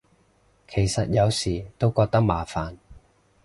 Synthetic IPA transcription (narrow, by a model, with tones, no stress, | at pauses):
kʰe˨˩jsɐ˨t̚jɐ˨˧wsiː˨˩t̪o˥wkɔː˧k̚t̪ɐ˥k̚maː˨˩faː˨˩n